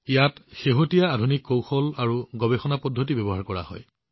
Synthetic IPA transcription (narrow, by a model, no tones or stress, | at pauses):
ijatxeɦotijaːdʱunikːowxɔlaɹuɡɔbexɔnapɔdʱotibebɔɦaɹkɔɹa̰hɔ̰j